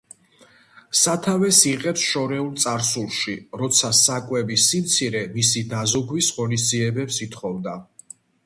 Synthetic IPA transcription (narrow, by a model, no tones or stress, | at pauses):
sat̪ʰavɛsiqʼɛpsʃɔɾɛulˠt̪sʼaɾsulˠʃiɾɔt̪sʰasakʼwɛbisimt̪sʰiɾɛmisid̪azuɡwisʁɔnis̬d̪ziɛbɛpsit̪ʰχɔvd̪a